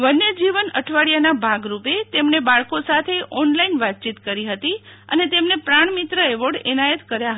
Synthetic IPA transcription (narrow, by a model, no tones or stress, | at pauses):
ʋənːed͡ʒiʋənəʈʰʋaɭijanabʱaɡɾupet̪emɳebaɭkosat̪ʰeʔɔnlainʋat̪̚t͡ʃit̪kəɾiɦət̪iə̰net̪emnepɾaɳ̃mit̪ɾəɛʋəɽɛnajət̪kəɾjaɦə